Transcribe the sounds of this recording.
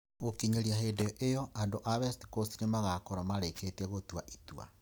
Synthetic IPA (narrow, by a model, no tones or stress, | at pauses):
ɣokiɲeɾiahedeɔʔejɔʔandoʔaβɛsti̥kostinemaɣakɔɾamaɾeketiɛɣotwaʔitua̰